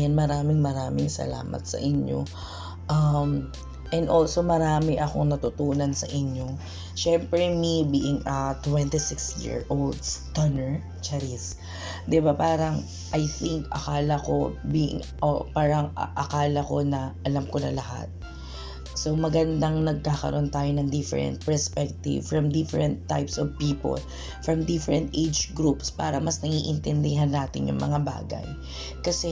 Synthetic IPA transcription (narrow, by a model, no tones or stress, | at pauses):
janmɐɾaːmɪŋmɐɾaːmɪŋsɐ̰la̰ːmɐ̰t̪̚sɐ̰ʔɪɲjo̰ | ʔɐm | ʔɛnd̪ʔolso̞mɐɾaːmɪʔɐko̞ŋnɐt̪ʊt̪uːnɐnsɐʔɪɲo̞ | ʃɛmpɾɛmibiʔɪŋʔɐt̪wɛnt̪isɪksjɪ̰ɹʔold̪st̪ɐnɛɹ | t͡ʃaɾis | d̪ɪbapaːɾɐŋ | ʔɐjθiŋkɐ̰kaːlɐko̞̰bḭ | ʔopaːɾɐŋ̰ʔɐkaːlɐko̞nɐʔɐlamkonɐ̰lɐha̰t̪̚ | sowmɐɡɐnd̪aŋnɐɡ̚kaːkɐ̰ɾʔo̞nt̪aːjonɐŋd̪ɪfɛɾɛ̰nt̪̚pɛɹspɛk̚t̪ɪ̰vfɹɐmd̪ɪfɛɹɛnt̪ːa̰jpsɔvpiːpo̰l | fɹɐmd̪ɪfɛɾɛnt̪ʔejd͡ʒɡɾupspa̰ːɾɐmɐsnɐŋiːʔɪnt̪ɛnd̪ɪɦanːaːt̪ɪnjʊ̰ŋmɐ̰ŋaba̰ːɡɐ̰j | kɐsɛ